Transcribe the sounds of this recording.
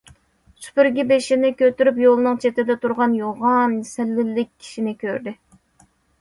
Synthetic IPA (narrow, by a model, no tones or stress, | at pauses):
sy̥pyɾɡʲibeʃɪnɪkʲøt̪yɾypjolˠnɨŋt͡ʃʰet̪ɪd̪ɛt̪ʰuɾʁɑnjoʁɑnsɪlːɪlːɪk̚ʲʰːi̥ʃinɪkʲʰøɾd̪ɪ